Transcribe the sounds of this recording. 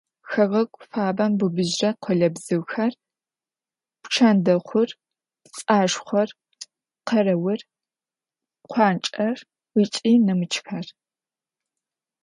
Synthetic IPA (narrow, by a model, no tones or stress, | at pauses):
xɐʁɐkʷʼfaːbɐmbɨbɨʑrɐqʷʰɔɮɐbzɨwxɐr | pʈ͡ʂʰaːndɐχʷʊr | t͡sʼaːʂχʷɐr | qʰɐrɐwɪr | qʷʰɑːnt͡ʃʼɐr | wit͡ʃʼiːnɨmɨt͡ʃʰxɐr